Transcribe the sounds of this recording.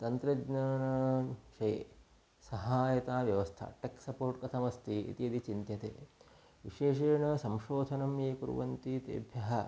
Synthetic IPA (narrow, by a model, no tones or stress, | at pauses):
t̪ɐnt̪ɾɐɡnɐːnɐʃɐj | sɐɦaːjɐt̪aːʋjɐʋɐst̪ʰa̰ʈeksɐpoːɾʈkɐt̪ʰɐmɐst̪ʰiḭt̪iɐd̪it͡ʃint̪jɐt̪ḛː | ʋḭʃeːʃeːɳɐsɐmʃoːd̪ʱɐnɐmeːkṵɾ̰ʋɐ̰nt̪it̪ḛːbʱjɐɦɐ